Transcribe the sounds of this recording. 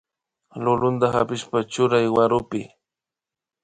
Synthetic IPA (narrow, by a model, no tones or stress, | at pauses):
lʊlʊnt̪axa̰pɪʃpat͡ʃʊɾajwaɾʊpɪ